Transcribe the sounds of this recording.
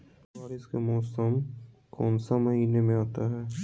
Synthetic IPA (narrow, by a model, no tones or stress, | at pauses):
aːɾɪskemɔːsəm | kɔːnsamɐɦiːnemẽɦaːt̪aɦɛː